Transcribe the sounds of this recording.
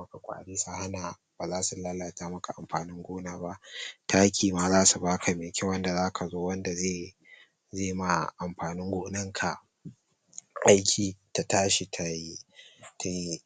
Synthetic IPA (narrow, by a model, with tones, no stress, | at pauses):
mɐ˦ka˨kʷʼa̰ː˨ɽiː˦sa˨ha˦na˨ | b̥aː˨zaː˦su˨la˦la˨taː˦mɐ˦ka˨ʔa˨mɸaː˨nɪ˦ŋɡʷoː˦naː˦ba˦ʔtʰaː˦kʲiː˨maː˨zaː˦su˨baː˦kʰa˨mɪ˨kʲɪ˦wɐ˦nda˨zaː˦kʰa˨zoː˦wɐ˦nda˨zeː˦˨ | zeː˦˨ma˨ʔa˨mɸaː˨nɪ˦ŋɡʷoː˦nɐ˦ŋkʰa˨ | ʔa˦jkʲʰiː˨ta˨taː˦ʃi˨tʰa˨ji˦tʰa˨i˦